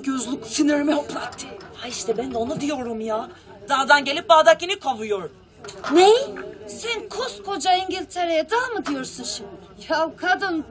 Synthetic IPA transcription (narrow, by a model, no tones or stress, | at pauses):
ɟøzlʲˠuksiniɾimɛoplˠat̪ʰːɯhaiʃt̪ʰɛbænd̪ɛo̞nud̪ijo̞ɾumjaː | d̪̥aɦad̪anɟe̞lʲip̚baːd̪acinikʰavujoɾ | nejisænkʰoskʰod͡ʒaiɲɟilʲt̪ʰeɾejɛd̪aːmɯd̪ijoɾsunʃ | jawkʰad̪ɯn